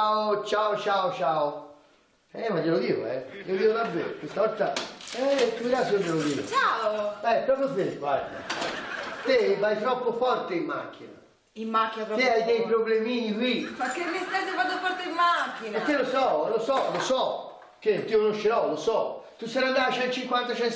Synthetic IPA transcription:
aot͡ʃaot͡ʃaot͡ʃaːʊ | ɛmad͡ʒelod̪iːo̰ɛ̰iod̪iːoðabːḛːɾokwest̪avɔɾt̪ːaɛt̪ːuviɾasiod̪elod̪ḭːʊ̰t͡ʃaobɛpɾɔpoθeɡwa̰ɾd̪a̰ | t̪evait̪ɾɔpːofɔɾt̪eimːa̰k̟ːina̰ | imːakːinat̪eajd̪ɛjpɾoblemiːnikwimakːemist̪ɛsefat̪ːofɔɾt̪eimːakːinak̪ːelosɔlosɔlosɔ | k̟ːet̪ːikonoʃːeɾɔlosɔt̪usɛɾand̪aat͡ʃɛnt̪t͡ʃiŋkwant̪at͡ʃɛn

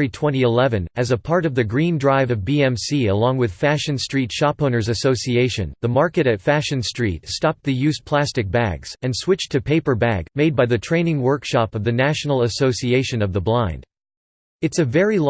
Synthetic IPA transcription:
itʰw̥ɛ̃ɾ̃iɨlɛvɨ̃nɨzəpʰɑɹɾʌvðɨɡɹĩndɹaɪvʌvbiɛ̃msiəlɔ̃ŋwɨð̥fæʃɨ̃nstɹ̥itʃɑpõʊnə˞zɨsoʊsieɪʃɨ̰̃nðəmɑɹkɨɾɨtfæʃɨ̃nstɹ̥itstɑp̪̚ðɨjʉzpʰl̥æstɨk̚b̥æ̰ɡz̥ɨ̃nswɪt͡ʃtʰɨpʰeɪpə˞bæ̰ɡmeɪd̚baɪðɨtʰɹ̥ẽɪ̃nɪ̃ŋwɜ˞kʃɑpʌvðɨnæʃn̩l̩ˠəsoʊsieɪʃɨ̃nʌvðəblãɪ̃nd̥ | ɨtsɨvɛɹil

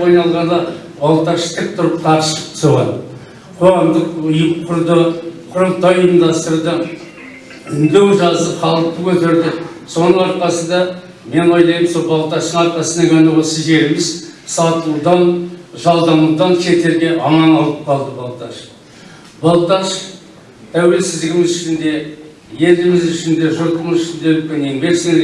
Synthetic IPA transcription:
ojnɑlˠʁɑnd̪ɑ | bɑlˠt̪ɑʃt̪ʰɪp̚t̪ʰʊɾəp̚q̪ʰɑɾʃsoʁɑ̰n | qʰoʁɑmd̪əqʊjəqʰʊɾd̪əqʰʊɾəlˠt̪ɑjind̪ɑst̪əɾd̪ɑ | ɪnd̪ewʒɑzəpχɑlˠəq̚t̪əkʲʰɵt̪eɾd̪ɪso̞nəɴɑɾqɑsəd̪ɑ | me̞nojlˠɑjəmsolˠbɑlˠt̪ɑʃt̪əɴɑɾqɑsənɑkʲʰænuʁɑsɪze̞ɾɪmɪzsɑt̪əud̪ɑnʒɑlˠd̪ɑmud̪ɑnʃʲʰe̞t̪e̞ɾɡʲe̞ʔɑmɑnɑlˠəp̚qʰɑlˠd̪əbɑlˠt̪ɑʃ | b̥ɑlˠt̪ɑʃ | t̪ʰæwe̞lsɪzd̪ɪɡʲɪmɪzʏʃɪnd̪e̞ | je̞lɪmɪzʏʃɪnd̪e̞ʒʊɾt̪əməzʏʃɪnd̪eɵl̚kʲenembʲe̞ksɪne

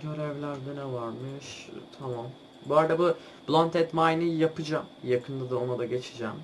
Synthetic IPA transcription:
ɟøɾɛvlʲæɾd̪ɛnɛvaɾmɯʃt̪ʰamam | buaɾd̪abu | b̥lˠant̪ʰɛt̪majnijapɯd͡ʒamjakʰɯnd̪ad̪ao̞nad̪aɟe̞t͡ʃʰid͡ʒɛ̰m

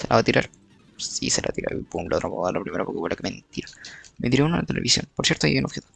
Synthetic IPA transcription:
selʔaβat̪iɾʔaɾ | siselʔa̰t̪iɾa̰ɾiplot̪ɾapo̰ðaɾlapɾime̞ɾapoɾkefwelakement̪iɾament̪iɾunalat̪ele̞βisjo̞̰npoɾsjeɾt̪oajienoxet̪i

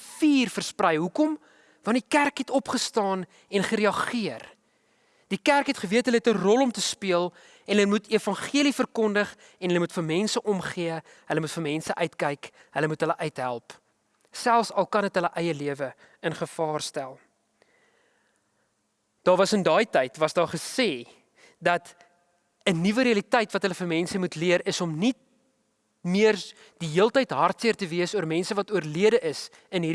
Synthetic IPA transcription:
fiːrfərsprɛjɦukɔm | vɐndikærkɦɛtɔpχəstɑːn | ɛnχəɾiɐχiər | d̥ikærkɦɛtχəviətɦələɛtərɔlˠɔmtəspiəlˠ | ɛnɦəlmutiəfɐnχiəlifərkɔndəχ | ɛnɦələmutfərmɛnsəʔɔmχiə | ɦələmutfərmɛnsəʔœɥtkɛjk | ɦələmutɦələʔœɥtɦælˠp | sælˠfsɐlˠkɐnɦətɦələʔœjəliəvə | ənχəfɑːrstælˠ | d̥ɑːrvɐsəndɑːjtɛjtvɐsdɑːχəseː | dɐt | ənivəɾiɐlitɛjtvɐtɦələfərmɛnsəmutliəɾəsɔmnit̚ | miər | d̥iɦiəlˠtəjtɦɐrtsiərtəviəsuəɾmɛnsəvɐtuərliədəʔəs | ənɦiɾ

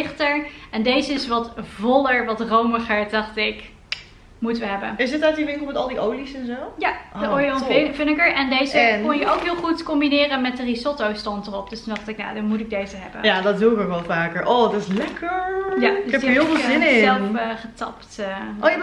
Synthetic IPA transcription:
ɪχtəɹɛndejzəɪsʋɑtvɔləɹʋɑtrowməχəɹdɑχtɪk | mutəʋəɦɛbə̰nɪsətaɥtdiʋɪŋkl̩ˠmɛtɑlˠdiʔowlisɛnzowjaəoɔnɪnvɪnɪkəɹɛndejzəkɔnjəʔowkɦɪːlˠχutkɔmbinɪːrənmɛt̚dərisɔtowstɔntərɔp̚d̥østundɑχtɪkna̰ːdɑnmutɪɡ̚dejzəɦɛbə̰njadɑtduɪkokʋɛlˠvaːkəɹʔodɔtɪslɛkʰəɹjadɛpəɦɪlˠvɪlˠzɪnɪɛlˠfχətɑptːo

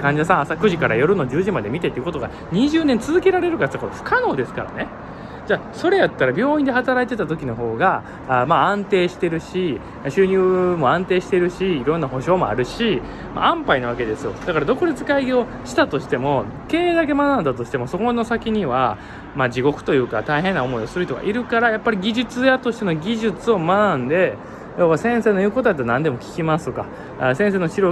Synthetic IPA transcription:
kãɲ̟d͡ʑasãasakɯ̟ʑikaɾa̰jo̞ɾɯ̟no̞d͡ʑɨːʑimad̪e̞mʲit̪e̞t̪ːeiɯko̞t̪o̞ɡa̰ | ɲ̟iʑɨːnẽ̞nt͡sɨzɨke̞ɾaɾe̞ɾɯ̟kat̪akoɸɯ̟̥kano̞ːd̪e̞sɨ̥kaɾa̰ne̞ | d͡ʑaːso̞ɾe̞jat̪ːaɾabʲo̞ːĩnd̪e̞hat̪aɾait̪e̞t̪at̪o̞kʲino̞ɦo̞ːɡa | maãnt̪e̞ːɕi̥t̪e̞ɾɯ̟ɕi | ɕɨːɲ̟ɨːmo̞ãnt̪e̞ːɕi̥t̪e̞ɾɯ̟ɕiːɾõ̞nːaɦo̞ɕo̞ːmoa̰ɾɯ̟ɕi | ma̰ãmpainaβ̞ake̞d̪e̞sɨjo̞̰d̪akaɾad̪o̞koɾet͡sɨ̥kaiɡʲio̞ | ɕi̥t̪at̪o̞ɕi̥t̪e̞mo̞ | ke̞ːd̪ak̬e̞manãnd̪at̪o̞ɕi̥t̪e̞mo̞so̞ko̞no̞sakʲiɲ̟iβa | mad͡ʑiɡo̞kɯ̟̥t̪o̞jɯ̟ːkat̪aiɦẽ̞nːao̞mo̞io̞sɨɾɯ̟çt̪oka̰ʔiɾɯ̟kaɾajapːaɾʲiɡʲiʑɨt͡sɨjat̪oɕi̥t̪e̞no̞ɡʲiʑɨt͡sɨo̞manãnd̪e̞ | joβasẽɰ̃seːno̞iɯ̟ːko̞t̪oat̪̬ːnãnd̪e̞mo̞kʲi̥kʲimasɨka̰ | sẽs̬eːno̞ɕiɾo

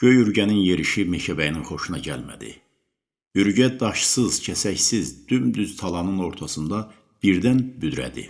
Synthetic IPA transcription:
ɟ̥øjyɾɟæninje̞ɾiʃimecʰæbæjininχo̞ʃunɑɟæ̰lmæ̰d̪ḭ | yɾɟæd̪ɑʃsɯz̥cʰæsæçsizd̪̥ymd̪yz̥t̪ʰɑlˠɑnɯno̞ɾt̪ʰɑsɯnd̪ɑ | b̥iɾd̪ænbyd̪ɾæ̰d̪ḭ

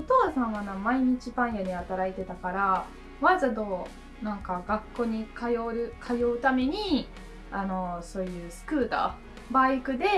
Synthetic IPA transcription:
ot̪o̞ːsãɰ̃βanãmaiɲ̟it͡ɕibãɰ̃jaɲ̟iat̪aɾait̪e̞t̪akaɾa | βazad̪o̞ː | nãŋkaɡakːo̞ːɲ̟ikajoɾɯ̟kʰajo̞ɯ̟t̪ame̞ɲ̟i | ano̞so̞ːjɯ̟ːsɨ̥kɯ̟ːt̪a̰ː | baikɯ̟d̪e̞

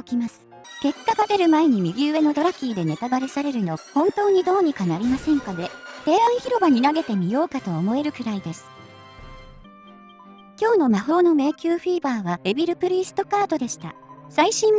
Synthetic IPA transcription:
okʲimasɨ̥ | ke̞kːaɡad̪e̞ɾɯ̟mae̞ɲ̟imʲiɡʲiɯe̞no̞d̪o̞ɾakʲiːd̪e̞ne̞t̪abaɾe̞saɾe̞ɾɯ̟no̞hõ̞nt̪o̞ːɲ̟id̪o̞ːɲ̟ikanaɾʲimasẽ̞ŋkad̪e̞t̪e̞ːãɰ̃çiɾo̞baɲ̟inaɡe̞t̪e̞mʲijo̞ːkat̪o̞ːmo̞e̞ɾɯ̟kɯ̟ɾaid̪e̞sɨ̥ | kʲo̞ːno̞maɦo̞ːno̞me̞ːkʲɨːɸiːbaːβae̞bʲiɾɯ̟pɯ̟ɾʲiːsɨ̥t̪o̞kaːt̪o̞d̪e̞ɕi̥t̪a̰saiɕĩm

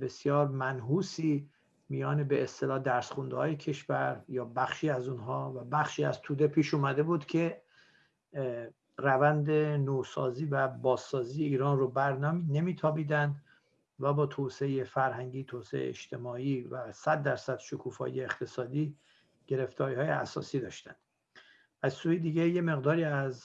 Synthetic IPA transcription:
be̞sjɒːɾmænɦuːsiː | mijɒːne̞beest̪e̞lɒːhd̪æɾsχund̪hɒːjecʰe̞ʃvæɾjɒːbæχʃiːæzunɦɒːvæbæχʃiːæzt̪ʰuːd̪e̞pʰiːʃuːmæd̪e̞buːd̪cʰe̞ | rævænd̪e̞noːsɒ̰ːziːvæbɒːzːɒːziːjeiːɾɒːnrobæɾnɒːmine̞miːt̪ʰɒːbiːd̪ænd̪ | væbɒːt̪ʰoseejefæɾɦæŋɟiːt̪ʰoːsḛḛḛḛʃt̪ʰe̞mɒːiːvæsæd̪ːæɾsæd̪̥ʃokʰuːfɒ̰ːḭjeːχt̪ʰe̞sɒːd̪iː | ɟ̥e̞ɾe̞ft̪ɒːɾiːhɒːjḛæsɒ̰ːsiːd̪ɒːʃt̪ænd̪̥ | ʔæzsuːjed̪iːɟeje̞me̞ɣd̪ɒːɾiːæz

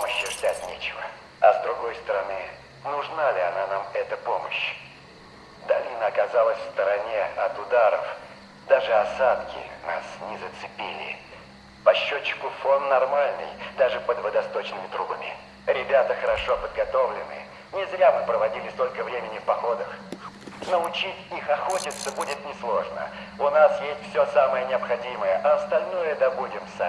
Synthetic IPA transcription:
poməɕːɪʐd̪ʲatʲnʲet͡ɕɪvə̰ | ɐzd̪ɾʊɡo̞jst̪əɾɐnɨ | nʊʐnalʲɪɐnanamɛt̪əpo̞məɕ | d̪alʲɪnəɐkɐzalˠəsʲfst̪əɾɐnʲeɐt̪ʊd̪aɾə̰f | d̪aʐɨɐsat̪kʲɪ̰na̰snʲɪzət̪sɨpʲilʲɪ̰ | pɐɕːot͡ɕːɪ̥kʊfo̞nːɐrmalʲnɨ̰jd̪aʐɨpəd̪vəd̪ɐst̪o̞t͡ɕnɨmʲɪt̪ɾubəmʲɪ̰ | ɾʲɪbʲat̪əxəɾɐʂo̞pəd̪ɡɐt̪o̞vlʲɪnɨ̰ | nʲɪzɾʲamɨpɾəvɐdʲilʲɪst̪o̞lʲkəvɾʲemʲɪnʲɪfpɐxo̞d̪əx | nəʊt͡ɕitʲixɐxo̞tʲɪt̪səbudʲɪt̪nʲɪslˠoʐnə̰ | ʊnasjesʲtʲfsʲosaməjənʲɪɐpxɐdʲiməjəʔɐɐst̪ɐlʲnojəd̪ɐbudʲɪmsa

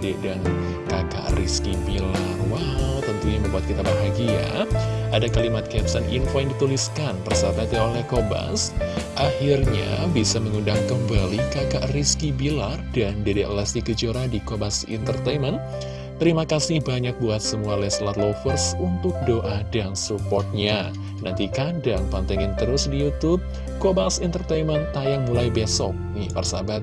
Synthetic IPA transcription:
dɛʔdan | kaka̰ʔriskibilarwawt̪ənt̪uɲaməmbuat̪kit̪abaɦaɡia̰adakalimat̪̚kɛpsanḭnfojaŋdit̪uliskanpərsabat̪jaolɛhkoba̰sʔahirɲa̰bisaməŋundaŋkəmbalikakaʔriskibilardandedɛʔlɛst̪ikəd͡ʒoɾadikobasḭnt̪ərt̪ajmən | t̪əɾimakasɪhbaɲak̚buat̪̚səmualɛslat̪lofərsunt̪ʊk̚doʔadansupɔrt̪̚ɲa | nant̪ikandaŋpant̪aŋaŋt̪əɾʊsdijut̪ʊb̚ | kobasint̪ərt̪ejmənt̪ajaŋmulajbesɔk̚nɪpərsa̰bat̪̚

